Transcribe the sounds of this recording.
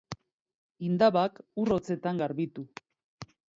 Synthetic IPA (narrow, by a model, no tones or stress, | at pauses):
ind̪aβakuro̞t͡se̞t̪aŋɡaɾβit̪u